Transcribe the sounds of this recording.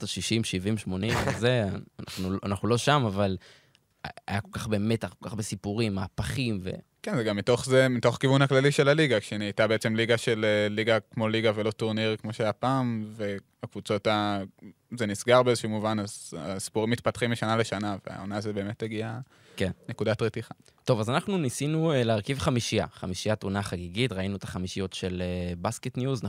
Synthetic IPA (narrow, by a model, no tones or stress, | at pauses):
taʃiʃimʃivimʃmo̞nimzeana̰χnuanaχnulo̞ʃamaval̰ | a̰jako̞lkaχbe̞me̞taχkolkaχbesipuʁimːaːpaχimve̞̰ | kenzeɡamːito̞χzemito̞χkivunhaklaliʃe̞laliɡakʃeneitabeet͡semliɡaʃe̞lelːiɡakmo̞liɡavelo̞tuʁniʁkmoʃeajapaːmve̞ | akvut͡so̞ta | zenisɡaʁbeezʃumuvanaza̰si̥puʁimːit̪̚pat̪χimiʃanaleʃanavea̰onaːzebe̞ːmeteɡia | ke̞nne̞kudatʁetiχa | to̞vazanaχnunisinueleːʁkivχamiʃia̰χa̰miʃiat̪unaχaɡiɡitʁainuet̪ḁχamiʃijo̞tʃe̞lebasketnjuzn